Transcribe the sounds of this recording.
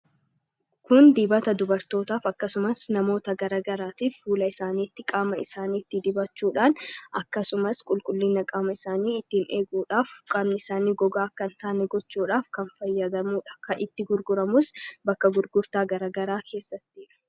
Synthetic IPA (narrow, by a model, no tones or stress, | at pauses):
kʊnd̪iːbɐt̪ɐd̪ʊbɐɾt̪o̞ːt̪aːfɐkːɐsʊmɐsnɐmo̞ːt̪ɐɡɐɾaːɡɐɾaːt̪iːfːuːlɐɪsaːniːt̪ːɪkʼaːmɐɪsaːniːɪt̪ːɪd̪ɪbɐt͡ʃːuːᶑaːnʔɐkːɐsʊmɐskʼʊlkʼʊlːɪnːɐkʼaːmɐɪsaːniːɪt̪ːɪːne̞ːɡuːᶑaːfkʼaːmnɪɪsaːniːɡɔɡaːkːɐnt̪aːnɛɡɔt͡ʃːuːᶑaːfkɐnfɐjːɐd̪ɐmuːᶑɐ̥kʰɐʔɪt̪ːɪɡʊɾɡʊɾɐmʊsbɐkːɐɡʊɾɡʊɾt̪aːɡɐɾaːɡɐɾaːkʰe̞ːsːɐt̪ːɪːᶑɐ̥